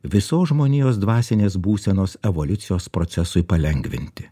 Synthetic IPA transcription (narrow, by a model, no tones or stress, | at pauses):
ʋʲɪsoːsʒmoːnʲiːjoːs̬d̪ʋɑːsʲɪnʲeːsbuːsʲɛnoːsɛʋolʲʊt̪sʲɪjoːspɾɔt̪sʲɛsʊɪpɐlʲɛŋʲɡʲʋʲɪ̰nʲt̪ʲɪ